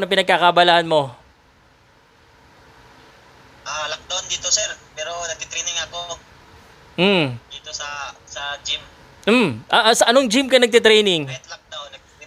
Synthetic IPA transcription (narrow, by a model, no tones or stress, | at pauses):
nɐp̬ɪnɐɡ̚kakɐʔbɐlahɐnmo̞ | ʔalɐk̚d̪ond̪iːt̪osɛɾpɛːɾo̞nɐɡ̚t̪it̪ɾɛjnɪŋɐko | m̩d̪iːt̪osɐsɐd͡ʒɪm | m̩mʔɐʔsɐʔɐnoŋd͡ʒɪmkɐnɐɡ̚t̪ɪt̪ɾɛjnɪŋɛt̪lɐk̚d̪awnːɐɡ̚t̪